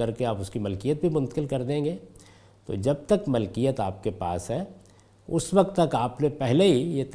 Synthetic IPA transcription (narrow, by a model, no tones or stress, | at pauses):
ɐɾkeaːpʊskimɐlkijət̪̚bʱimʊ̃nt̪ə̥kɪlkɐɾd̪ẽːŋɡeː | t̪o̰d͡ʒɐb̚t̪ɐkmɐlkijət̪aːp̚kepa̰ːsɦɛː | ʊswɐk̚t̪ːɐkaːpnepɛɦleɦijet̪